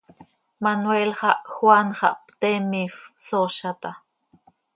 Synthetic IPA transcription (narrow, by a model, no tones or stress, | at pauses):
manwelχɑʔxwanχɑ̰ʔpt̪emifsoʃat̪a